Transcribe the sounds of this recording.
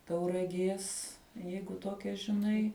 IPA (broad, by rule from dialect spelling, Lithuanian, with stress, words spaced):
tɐʊrɐˈɡʲeːs ˈjɛɪɡʊ ˈtoːkʲɛ ʒʲɪˈnɐɪ